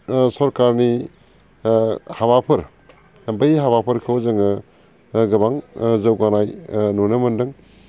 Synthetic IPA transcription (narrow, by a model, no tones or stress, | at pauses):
sɐɾkaɾni | haβapʰɯɾ | bɐjɦabapʰɐɾkʰɯwzɐŋɯ | ɡɐbaŋzawɡanajnonɯmɐndɯŋ